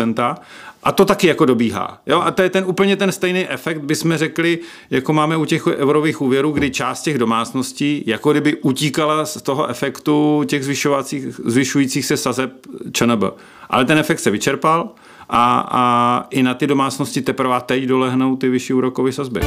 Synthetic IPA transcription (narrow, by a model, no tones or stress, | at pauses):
ɛnt̪aʔat̪o̞t̪akɪjako̞do̞biːɦa̰ːjoʔat̪ojɛt̪ɛnʔuːpl̩ɲɛt̪ɛnst̪ɛjnijʔɛfɛkt̪̚bɪsmɛrɛklɪ | jakomaːmɛucɛxʔɛvɾoviːxʔuːvjɛɾuːɡdɪt͡ʃaːst̪cɛɣdo̞maːt͡sno̞sciːjakoɡdɪbɪʔuciːkalast̪o̞ɦoʔɛfɛkt̪ucɛɣzvɪʃovat͡siːxzvɪʃujiːt͡siːxsɛsazɛp̚t͡ʃənəbl̩̰ | ʔa̰lɛt̪ɛnɛfɛkt̪sɛvɪt͡ʃɛɾpal | ʔaaʔɪnat̪ɪdo̞maːt͡sno̞scɪt̪ɛpɾvaːt̪ɛcdo̞lɛɦnowt̪ɪvɪʃiːuːɾo̞kovɛsazbɪ̰